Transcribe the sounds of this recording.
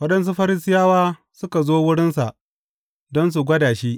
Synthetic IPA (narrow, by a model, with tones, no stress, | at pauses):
wɐ˦ɗɐ˦ns̬u˦ɸɐ˦ɾɪ˦sɪ˦jaː˦waː˦ | sʊ˦ka˨zoː˦wʊ˦ɽɪ˦nsa˨ʔ | dɔ˦ns̬u˨ɡʷɐ˦daː˨ʃiː˦